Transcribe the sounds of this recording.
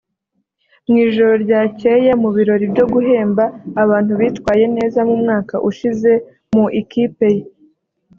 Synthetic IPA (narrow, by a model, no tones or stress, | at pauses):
mŋiːʒo̞ɾo̞ɾɟaːcejamuβiɾo̞ɾibɟo̞ɡuɦe̞ːmbaːβaːn̥uβiːtkwaːje̞ne̞ːzamumŋaːkaʔuʃize̞ | muʔikiːpe̞je